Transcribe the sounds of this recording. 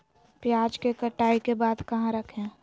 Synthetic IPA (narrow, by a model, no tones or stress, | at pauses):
pjaːd͡ʒkekəʈaːikebaːd̪kɐɦãɾəkʰẽː